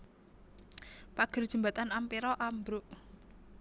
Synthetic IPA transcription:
paɡ̥ə̤rd̥ʒ̥ə̤mbat̪anampiɾɔʔambɾʊʔ

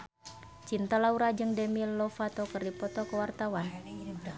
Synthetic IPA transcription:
t͡ʃint̪alauɾad͡ʒɨŋdɛmilːɔfat̪okərdipɔt̪ɔkəwart̪awan

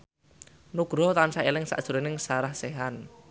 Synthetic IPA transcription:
nuɡ̥ɾɔt̪ansaelɪŋsa̰ʔd̥ʒ̥ṳɾenɪŋsaɾahseɦan

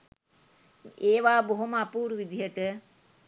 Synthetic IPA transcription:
eːʋaːboɦoməapuːɾuʋid̪iɦəʈə

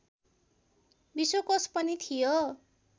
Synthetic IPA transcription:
bisokʌspʌnit̪ʰijo

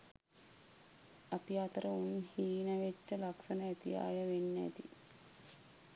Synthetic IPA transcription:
ɐpiat̪ɾɐunhiːnɐʋet͡ʃːəlɐksɐnɐɛt̪ija̰ːjɐʋenːɛ̰t̪ḭ

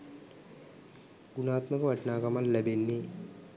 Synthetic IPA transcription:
ɡunaːt̪məkʋɐʈnaːkɐmalːɛbenːi

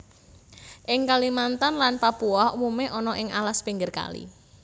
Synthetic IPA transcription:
ʔɪŋkalimant̪anlanpapuɔhumumeʔɔnɔʔɪŋʔa̰laspiŋɡɪrka̰lḭ

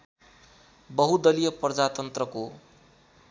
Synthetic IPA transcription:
bʌɦud̪ʌlijʌprʌd͡zat̪ʌnt̪rʌko

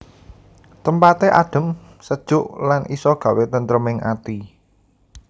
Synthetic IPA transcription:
t̪əmpat̪eʔaɖ̥ə̤m | səd̥ʒ̥ʊʔlanʔisɔɡ̥ä̤wet̪ənt̪ɾəmɪŋʔa̰t̪i

